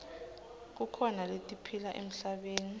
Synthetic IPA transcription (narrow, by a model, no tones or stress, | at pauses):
k̬ukʰɔnaletʼipʰilaʔḛm̩ɬaɓeːni